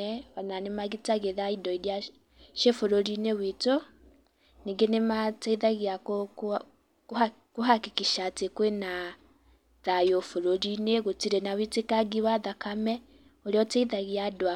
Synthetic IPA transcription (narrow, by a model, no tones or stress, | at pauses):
ɛβananemaɣitaɣeðaidɔiɾja | ʃefoɾoɾinewito | niɡenemateiðaɣiako | ka | koɦakikiʃatekwena | ðajofoɾoɾineɣotiɾenawitekaɡiwaðakamɛ | oɾeɔteiðaɣiadwa